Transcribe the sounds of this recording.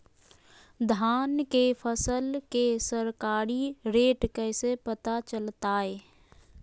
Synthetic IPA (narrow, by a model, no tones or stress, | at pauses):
d̪ʱaːnkepʰəsəlkesəɾkaːɾiɾeːʈkɛːsepət̪at͡ʃəlt̪aːeː